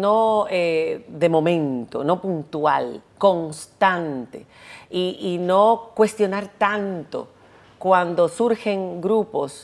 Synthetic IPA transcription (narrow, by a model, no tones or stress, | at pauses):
noeðe̞mõ̞mẽ̞nt̪o̞̰nopunt̪wa̰lko̞ŋst̪ant̪ḛ | iʔinokwe̞st̪jo̞naɾt̪ant̪o̞̰ | kwand̪o̞suɾxe̞ŋɡɾupo̞s